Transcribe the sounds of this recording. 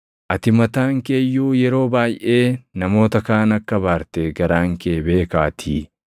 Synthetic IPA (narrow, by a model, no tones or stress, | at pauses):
ʔɐt̪ɪmɐt̪aːŋkeːjːuːjɛɾo̞ːbaːjʔe̞ːnɐmo̞ːt̪ɐkaːnɐkːɐbaːɾt̪eɡɐɾaːŋkeːbe̞ːkaːt̪ʰiː